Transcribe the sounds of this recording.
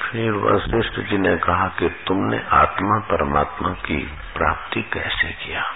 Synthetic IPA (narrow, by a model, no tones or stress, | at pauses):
fʰɪɾʋɐ̰sɾɪsʈəd͡ʒinekɐɦakit̪ʊmnḛʔaːt̪mapɐɾəma̰ːt̪makḭ | pɾa̰ːp̚t̪ikɛːsḛkijaː